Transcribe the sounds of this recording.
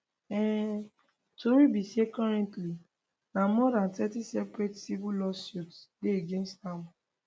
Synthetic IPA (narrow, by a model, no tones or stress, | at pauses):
ɛ | toɾibisiekɔɾɛ̃ntli | namɔdãntɛtisɛpɾetsibulɔsjutɡeeɡẽnstamʊ